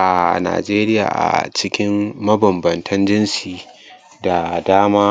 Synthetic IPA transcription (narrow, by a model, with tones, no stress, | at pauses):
ʔa˨na̰ː˨d͡ʒeː˦ɾɪ˦ja̰ː˨ʔa̰˨t͡ʃɪ˦kʲɪ˦mːɐ˦bɐ˨mbɐ˨ntʰɐ˦nd͡ʒɪ˦nsiː˨ | da˨daː˦maː˦